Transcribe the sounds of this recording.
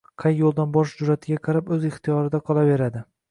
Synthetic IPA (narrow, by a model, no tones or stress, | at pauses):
qʰɑjːolˠd̪anbɒʃd͡ʒʊɾat̪ʰɪɡʲaqʰɑɾapɵzɪχt̪ʰijɒɾɪd̪aqʰɒlˠave̞ɾad̪ɪ